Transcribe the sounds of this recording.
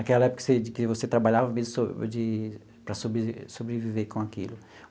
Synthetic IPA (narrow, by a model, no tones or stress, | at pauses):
akɛlɐɛpʊkɐ̥sed͡ʒɪkɪvoset̪ɾabaʎavɐmezʊsod͡ʒɪ | pɾɐsobesobɾeviveɾkõakilʊ